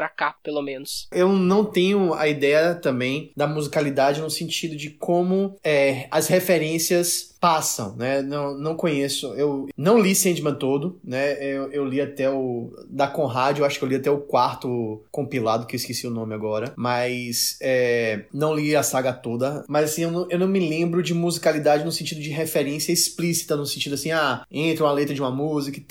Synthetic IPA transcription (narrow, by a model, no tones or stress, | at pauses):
pɾakapelomẽnʊsewnɐ̃w̃t̪ẽɲʊɐ̰id̪ɛjɐt̪ɐ̃mbẽj̃d̪ɐmuzikalid̪ad͡ʒɪnʊsẽnt͡ʃid̪ʊd͡ʒɪkõmʊɛɐshefeɾẽsiɐspasɐ̰̃w̃nɛnɐ̃w̃nɐ̃w̃kõɲesʊewnɐ̃w̃lisẽnd͡ʒimɐ̃t̪od̪ʊnɛewewliat̪ɛʊ | d̪ɐkõɦad͡ʒʊewaʃʊkewliat̪ɛʊkwaɾt̪ʊkõpilad̪ʊkewiskisiʊnõmɪaɡɔɾɐmɐjsɛnɐ̃w̃liɐsaɡɐt̪od̪ɐmɐzasĩewnɐ̃w̃ewnɐ̃w̃mɪlẽmbɾʊd͡ʒɪmuzikalid̪ad͡ʒɪnʊsẽnt͡ʃid̪ʊd͡ʒɪɦefeɾẽsiɐisplisi̥t̪ɐnʊsẽnt͡ʃid̪ʊasĩaẽt̪ɾũmɐlet̪ɾɐd͡ʒɪũmɐmuzikɐ